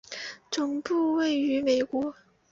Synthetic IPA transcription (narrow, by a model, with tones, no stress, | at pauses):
t͡sʊ˨˩ŋpu˥˧we˥˩ɪy˧˥me˨˩ɪkwɔ˧˥